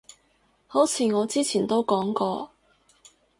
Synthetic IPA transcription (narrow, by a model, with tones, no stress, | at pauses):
ho˨˥wt͡sʰiː˨˧ŋɔː˨˧t͡siː˥t͡sʰiː˨˩nt̪o˥wkɔː˨˥ŋkɔː˧